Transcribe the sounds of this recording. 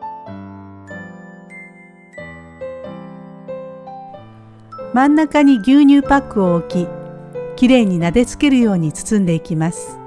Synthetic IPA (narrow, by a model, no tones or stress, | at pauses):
mãnːakaɲ̟iɡʲɨːɲ̟ɨːpakːɯ̟o̞okʲikʲiɾe̞ɲ̟ːinad̪e̞t͡sɨ̥ke̞ɾɯ̟jo̞ːɲ̟it͡sɨ̥t͡sɨ̃nd̪e̞ikʲimasɨ̥